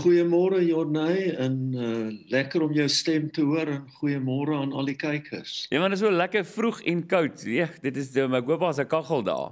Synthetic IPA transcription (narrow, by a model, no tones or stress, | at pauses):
χujəmɔːɾəjɔrnəjənəlækəɾɔmjəwstɛmtəɦuəɾənχujəmɔːɾəɐnɐ̰likɛjkʰərsjəmɐndətsuəlækərfruχɛnkɐwtiədətəsdəməkuəpɑːsəkɐχəlˠdɑ̰ː